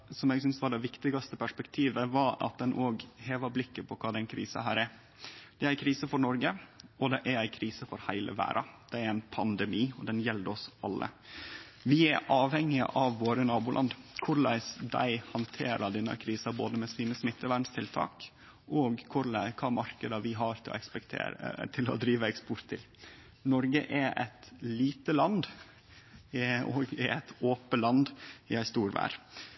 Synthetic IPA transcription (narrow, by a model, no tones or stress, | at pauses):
sɔmɛːɡsʏnsʋɑɖɛʋɪkt̪ɪɡɑst̪əpʰæʂpɛkt̪ʰiːʋəʋɑɾɑ̰t̪̚d̪ɛnʔoːɡheːʋɑblɪkːəpʰɔkʰɑːd̪ɛnkʰɾḭːsɑ̰ɦæ̰ːɾæɾ | d̪̥ɛæɪkʰɾiːsəfɔɾnɔɾɡəɔd̪ɛʔæɾæɪkʰɾiːsəfɔɾhæɪlʔə̰ʋæ̰ːɾʔɑd̪̥ɛæɾæɪnpʰɑnd̪əmiːɔd̪ɛnjɛld̪əɔsʔɑlːə̰ | ʋɪæʔɑːʋhɛŋːɪə̰ʔɑʋːoːɾənɑːbʊlʔɑ̰nd̪kʰʊɾlæ̰ɪsd̪æ̰ɪhɑnt̪ʰḛːɾɑɖ̪ɛnːɑ̰kʰɾiːsɑbo̰ːd̪əmɛsiːnəsmɪt̪ʰːəʋæɳst̪ʰɪlt̪ʰɑ̰ːk | ʔɔɡkʰʊɾlæɪkʰɑːmɑɾkəd̪ɑʋɪɦɑɾt̪ʰɪlɔ̰ɛkspɛkt̪ʰḛːt̪ʰɪlɔ̰d̪ɾiːʋəɛkspɔɾt̪ʰːɪl | nɔɾɡəʔɛɾɛ̰t̪liːt̪əlɑnd̪ | ɔ̰ɡɛ̰æt̪ʰoːpəlɑnd̪ɪæɪst̪uːɾʋæ̰ːɾ